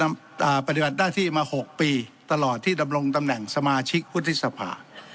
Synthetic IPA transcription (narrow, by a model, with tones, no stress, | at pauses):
ʔaː˨˩pa˧t̪̬i˨ba˨˩t̪̚naː˥˩t̪ʰiː˥˩maː˧ho˨˩k̚piː˧t̪a˧lɔː˨˩t̪ʰːiː˥˩da˧mɾo˧ŋt̪a˧mnɛ˨˩ŋsa˧maː˧t͡ɕʰi˦˥k̚pʰu˦˥t̪ʰːi˦˥sa˧pʰa̰ː˧